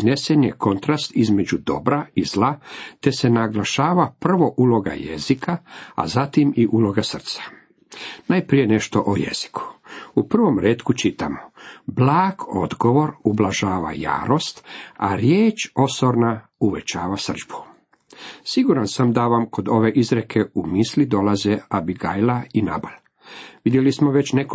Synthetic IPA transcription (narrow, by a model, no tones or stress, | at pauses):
zne̞senjeko̞nt̪ɾast̪izme̞d͡ʑud̪o̞̰bɾaizlat̪e̞senaɡlaʃaːʋapr̩ʋo̞ʔulˠo̞ɡa̰jḛzikʰaa̰zat̪imiʔulˠo̞ɡasr̩t̪sḁ | najpɾije̞ne̞ʃt̪o̞ʔojḛz̥i̥kʰu̥upr̩ʋo̞mɾeːt̪kut͡ʃit̪amoblaːɡ̥o̞̰d̪ɡo̞ʋo̞ɾublaʒaːʋa̰ja̰ːɾost̪a̰ɾjeːt͡ʃo̞soɾna | uʋet͡ʃaːʋasr̩d͡ʒbu̥ | siɡuɾansamd̪aʋamko̞d̪o̞ʋe̞ʔizɾekʰeumislid̪o̞lazeabiɡajlaina̰bal | ʋid̪jelismoʋe̞t͡ɕnek